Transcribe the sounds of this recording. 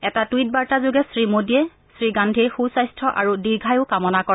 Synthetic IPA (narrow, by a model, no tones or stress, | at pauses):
ɛtatwit̚baɹtazʊɡɛsɹimodijɛ | sɹiɡandʱixusajstʰɔʔaɹudiɹɡʱajʊkamɔnakɔ